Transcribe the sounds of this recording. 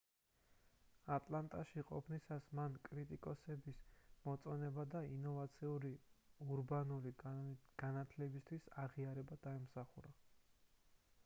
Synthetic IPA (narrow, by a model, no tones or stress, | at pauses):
at̪ʼlˠant̪ʼaʃiqʼɔ̰pʰnisasmankʼɾit̪ʼikʼɔsɛbismɔt̪sʼɔnɛbad̪ainɔvat̪sʰiuɾiuɾbanuliɡ̥anat̪ʰlɛbist̪ʰwisaʁiaɾɛbad̪̥aɛmsaχuɾa